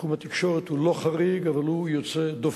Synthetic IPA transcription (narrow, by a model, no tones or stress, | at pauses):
umat̪i̥kʃoʁet̪huloχaʁiɡavalhujot͡sed̪o